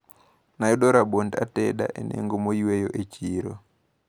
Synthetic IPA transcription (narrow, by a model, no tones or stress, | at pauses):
naiɗoɾaɓondateɗa̰ʔenʔḛŋɡomoiwejo̰ʔet͡ʃiɾo